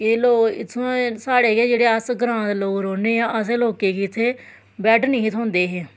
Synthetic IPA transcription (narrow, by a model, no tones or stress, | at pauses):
keloːɪt̪ʰːõːsaːɽeːkeːd͡ʒeːɽeːəsɡɾãːt̪loːkɾoːneːãːəs̬eloːkeːkiɪt̪ʰːeː | bɛːʈʰnĩːɪt̪ʰõːnd̪eːɦɛː